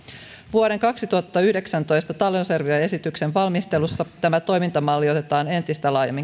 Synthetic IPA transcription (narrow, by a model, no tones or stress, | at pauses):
ʋuoɾe̞ŋkɑksit̪uhɑt̪ːɑyhde̞ksænt̪o̞jst̪ɑt̪ɑlonserʋyɑe̞sit̪yksenʋɑlmist̪e̞lusːɑt̪æmæt̪o̞jmint̪ɑmɑlːio̞t̪e̞t̪ɑːne̞nt̪ist̪ælɑːjɑmːiŋ